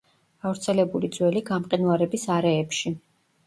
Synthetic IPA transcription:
ɡ̥avɾt̪sʰɛlɛbulid̪zwɛliɡamqʼinvaɾɛbisaɾɛːpʃi

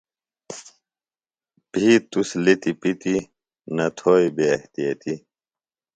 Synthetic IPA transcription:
piːt̪uslit̪ipit̪i | nɐt̪ʰoːibeɐht̪ijɐt̪i

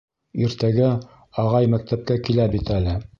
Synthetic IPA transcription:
iɾt̪æɡæ | ɑʁɑjmæk̚t̪æp̚kækilæbit̪ælɘ

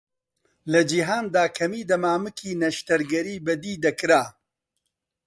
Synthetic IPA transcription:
lɐd͡ʒiɦaːnd̪aːkʰɐmiːd̪ɐmaːmɨkʰiːnɐʃt̪ɐɾɡɐɾiːbɐd̪iːd̪ɐkɾaː

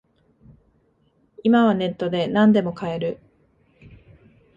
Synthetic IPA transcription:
imaβ̞ane̞t̪ːo̞d̪e̞nãnd̪e̞mo̞kae̞ɾɯ̟

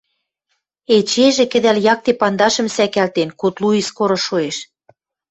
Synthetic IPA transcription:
et͡ɕeʒĕkɘ̆d̪æljɑk̚t̪epɑnd̪ɑʃɤ̆msækælt̪enkut̪luiskoɾŏʃoeʃ

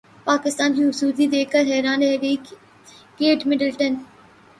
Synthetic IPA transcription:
paːkɪst̪aːnkĩʊsuːd̪id̪eːkːəɾɦɛːɾaːnɾɛɦɡəi | keːʈmɪɖəlʈən

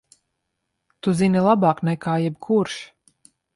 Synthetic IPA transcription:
t̪uzinilˠabaːknɛkʰaːjɛbkʰuɾʃ

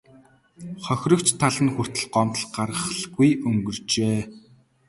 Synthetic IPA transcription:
χœxʲrə̆kt͡ɕt̪ʰaɮə̆nxur̥t̪ɘ̆ɮɢɔmt̪ə̆ɮɢarʁə̆χɮɣujɵŋɡɵ̆rt͡ɕeː

